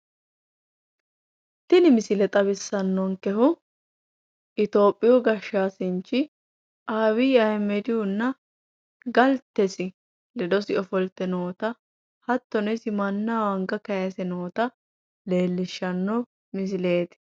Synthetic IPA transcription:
t̪ɪnɪmɪsɪlɛt̪ʼɐbɪsːɐnːɔŋkɛhʊ | ʔɪt̪o̞ːpʼːɪjɔɡɐʃːaːsɪnt͡ʃːɪ | ʔaːwiːɐjmɛd̪ɪjʊnːɐ | ɡɐlt̪ːɛsɪ | lɛd̪ɔsɪɔfɔlt̪ːɛnoːt̪ɐ | hɐt̪ːɔnɛsɪmɐnːawɐŋɡɐkɐjɐsɛnoːt̪ɐ | le̞ːlːɪʃːɐnːɔ | mɪs̬ɪle̞ːt̪ɪ̥

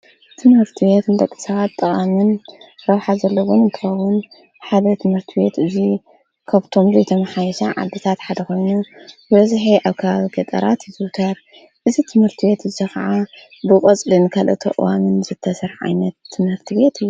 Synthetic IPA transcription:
t̪ʰɨmhɨɾt̪ʰɨβet̪ɨnd̪ɐkʼːisɐβat̪t̪ʼːɨχʼamɨnɾɐwħazɐlːɐwonɨnt̪ʰɨxɐwʊn | ħad̪ɐt̪ʰɨmhɨɾt̪ʰɨbe̞t̪ʔɨzi | kʰaβt̪ʰo̞mzɐjt̪ʰɐmɐħajɛʃɐʕa̰d̪ːɨt̪ʰat̪ħad̪ɐko̞jnubɨβɐzħiʔaβkʰɐβaβiɡɐt̪ʼɐ̰ɾat̪jizut̪ʰat̪̚ | ʔɨzit̪ʰɨmhɨɾt̪ʰɨβe̞t̪ɨzikʰɐʕa | bɨkʼɐt͡sʼlinɨkʰalʔɐ̰t̪ʰɐ̰ʔʼɨ̰wamɨnzɨt̪ʰːɐsɐɾʕa̰jnɐt̪ʰːɨmhɨɾt̪ʰɨbe̞t̪ɨjːu

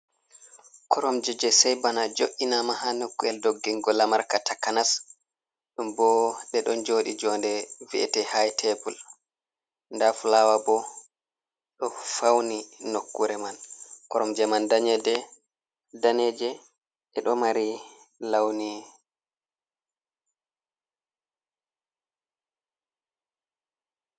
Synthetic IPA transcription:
kʰɔɾɔmd͡ʒɛd͡ʒɛsɛjbanad͡ʒoʔinamaɦanokːuɛldoɡːiŋɡɔlamaɾkatʰakanas | ɗumbɔɗɛɗɔnd͡ʒoːɗid͡ʒɔːndɛviɛ̰tɛhajtʰɛbul | ndafulawabɔ | ɗɔfawninokːuɾɛmankɔɾɔmd͡ʒɛmandaɲɛdɛ | danɛd͡ʒɛ | ʔɛɗɔmaɾi | lawni

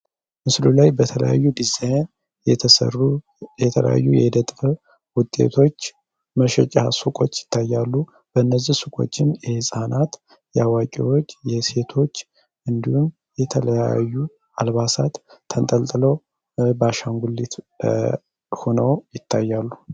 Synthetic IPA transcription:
mɨslulajbət̪ʰələ̰ja̰jːud̪izajn | jt̪ʰəsə̰ru | jɛt̪ʰələ̰ja̰jːujɛd̪ət̪ʼfə | wʊt̪ʼːe̞̰t̪ʰo̞t͡ʃː | məʃɛt͡ʃʼasukʼo̞t͡ʃːjɪ̥t̪ʰːajːalːu | b̥əɨnːəzːihsukʼo̞̰t͡ʃːɪnjɛhɨsʼanʔat̪ | jɛawakʼḭwo̞t͡ʃːjɛse̞t̪ʰo̞t͡ʃː | ʔɨnd̪ihum | jɛt̪ʰələja̰jːu | alβasat̪ʰːənt̪ʼəlt̪ʼɨləw | baʃaŋɡulːit̪ | ho̞nəwjɪt̪ʰːajːalːu

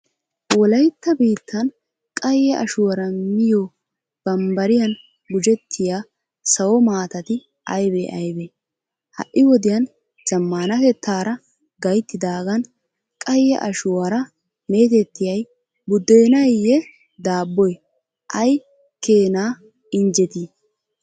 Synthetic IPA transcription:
wɔlɐjt̪ːɐbiːt̪ːɐn | kʼɐjːɛʔɐʃʊwɐɾɐmɪjo | b̥ɐmbɐɾɪjɐn | ɡʊd͡ʒɛt̪ʰːɪjaː | sɐwɔmaːt̪ɐt̪ɪ | ɐjbḛʔɐjbeː | hɐ̰ʔːɪwɔd̪ɪjɐn | z̥ɐmːaːnɐfɛt̪ʰːaːɾɐ | ɡɐjt̪ːɪd̪aːɡɐn | kʼɐjːɛʔɐʃʊwɐɾɐ | me̞ːt̪ɛt̪ːɪjɐj | bʊd̪ːejnɐjːɛ | d̪aːbːɔj | ʔɐj | ke̞ːnaː | ɪnd͡ʒɛt̪i

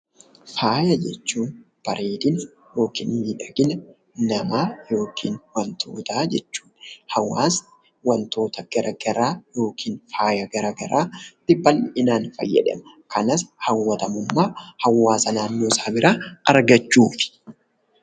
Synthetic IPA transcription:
faːjɐd͡ʒɛt͡ʃːuːn | b̥ɐɾʔeːd̪ɪn | jo̞ːkḭːniᶑɐɡɪnɐ | nɐmaːjo̞ːkʰiːnwɐnt̪ʰo̞̰ːt̪aːd͡ʒɛt͡ʃːu̥ːnhɐwːaːsɐ̥ | wɐnt̪o̞ːt̪ɐɡ̥ɐɾʔɐɡ̥ɐɾaːjo̞ːkʰiːnfaːjɐɡɐɾɐɡɐɾaːt̪ɪbːɐlːɪɪnaːnfɐ̰jːɐ̰ᶑɐ̰mɐ | kɐnɐshɐwːɐt̪ɐmʊmːaːhɐwːaːsɐnaːnːo̞ːsaːbɪɾaːɐɾɡɐt͡ʃːuːfɪ̥

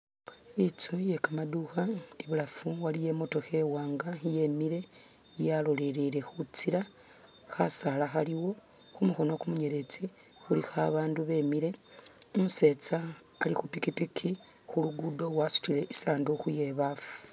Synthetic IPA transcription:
it͡suje̞kamaduxa | diβulafuwalije̞mo̞to̞xe̞waːŋɡaije̞miɾe̞ | jalo̞leɾiɾe̞xut͡siɾa | xasalaxaliwo̞ | xumuxo̞no̞kumuɲe̞ɾe̞t͡si | xulixaβaːnduβe̞miɾe̞ | omuse̞t͡saː | lixupikipikʰi | xuluɡudo̞lwasu̥tile̞ʔisaːndoxuje̞βafu̥

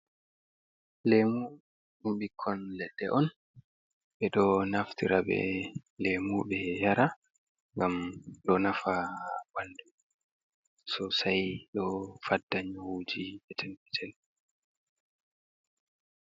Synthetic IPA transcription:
lemu | ɗumɓikʰːɔnlɛɗːɛʔɔn | ɓɛɗɔnaftiɾabɛ̰lemuɓɛjaɾa | ŋɡamɗɔnafaɓaldu | sɔsajɗɔfadːaɲhud͡ʒiɓɛtʰɛnpɛtʰɛl

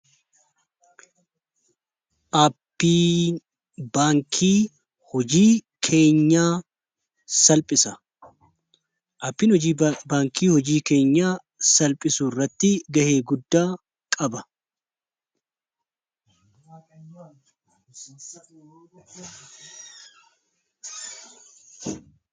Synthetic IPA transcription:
ʔɐpːiː | baːŋkʰiː | hɔd͡ʒiːkʰe̞ːɲːaː | sɐlpʼɪsɐ | ʔɐpːiːnhɔiːbaːŋkʰiːhɔd͡ʒiːke̞ːɲːaː | sɐlpʼɪsuːrːɐt̪ːɪɡɐheːɡʊd̪ːaː | kʼɐbɐ

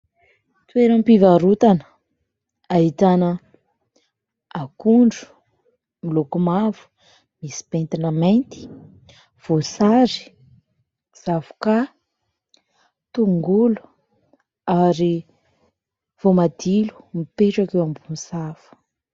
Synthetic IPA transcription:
t̪weɾəmpivaɾut̪anə̥ | ait̪anə | akuɳɖ͡ʐu̥ | milokumavu̥ | misi̥pent̪inəmejnt̪i̥ | v̥osaɾi̥ | z̥avu̥ka | t̪uŋɡulu̥ | aɾi | v̥omad̪ilu̥mipeʈ͡ʂakewambumisafu̥

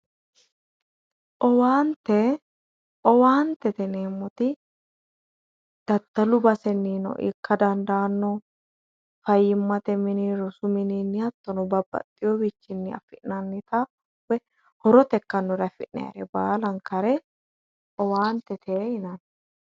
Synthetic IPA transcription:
ʔɔwaːnt̪ɛ | ʔɔwaːnt̪ɛt̪ɛneːmːɔt̪ɪ | d̪̥ɐt̪ːɐlʊbɐsɛnːiːnɔ̰ʔɪ̰kːɐd̪ɐnd̪aːnːɔ | fɐjːɪmːɐt̪ɛmɪniɾʊsʊmɪninːɪɐt̪ːɔnɔbɐbːɐ̰t̪ʼːɪjɔbit͡ʃːɪnːɪɐ̰fɪʔnɐnːɪt̪ɐ | wɛ | hɔɾɔt̪ɛkːɐnːɔɾɐfɪʔːɛ̰ɐ̰ɾɛbaːlɐŋkɐɾɛ | ɔwaːnt̪ɛt̪ʰeːɪnɐn

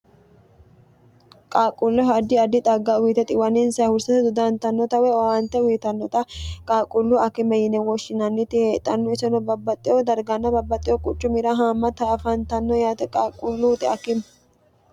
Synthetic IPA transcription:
kʼaːkʼʊlːɔɦad̪ɪɐd̪ɪt̪ʼɐɡːawiːt̪ɛt̪ʼɪwɐnɪnsɐhʊɾsɐt̪ɛd̪ʊd̪ɐnt̪ɐnːɔt̪ɐwɛwawɐnt̪ːɛwiːt̪ɐnːɔt̪ɐkʼaːkʼːʊlːuʔɐkɪmɛjɪnɛwɔʃɪnɐnːɪt̪ɪheːt̪ʼːɐnːɔɛsɛnɔbɐbːɐt̪ʼːɪjɔd̪ɐɾɡɐnːɐbɐbːɐt̪ʼːɪjɔkʼʊt͡ʃʼːʊmɪɾɐɦaːmːɐt̪ɐːfɐnt̪ɐnːɔjaːt̪ɛkʼaːkʼʊlːut̪ʼɪɐkɪm

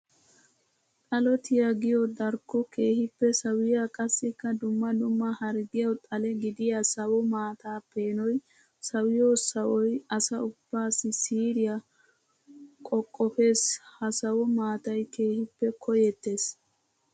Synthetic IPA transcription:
t̪ʼɐlɔt̪ɪjɐɡɪjɔd̪ɐɾkːɔke̞ːhɪpːɛsɐwɪjakʼɐsːɪkːɐd̪ʊmːɐd̪ʊmːɐhɐɾɡɪjɔt̪ʼɐlɛɡɪd̪ɪjasɐwɔmaːt̪aːpe̞ːnɔj | sɐwɪjoːsɐwɔjɐsɐʊb̥ːaːsɪsiːɾɪjɐ | kʼɔkʼːɔfe̞ːshɐsɐwɔmaːt̪ɐjke̞ːhɪpːɛkʰɔjɛt̪ːe̞ːs

